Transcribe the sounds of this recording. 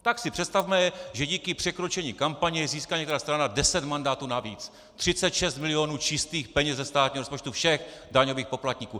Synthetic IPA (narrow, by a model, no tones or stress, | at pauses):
t̪aksɪpr̥ɛt̪st̪avmɛjɛʒɛɟiːkɪpr̥ɛkɾo̞t͡ʃɛɲiːkampaɲɪjɛziːskaɲɛk̚t̪ɛɾaːst̪ɾanadɛsɛt̪mandaːt̪uːnaviːt͡s | t̪r̥ɪt͡sɛt̪ʃɛst̪mɪlɪonuːt͡ʃɪst̪iːxpɛɲɛzɛst̪aːt̪̚ɲiɦoɾospot͡ʃt̪ufʃɛxdaɲo̞viːxpo̞plat̪ɲikuː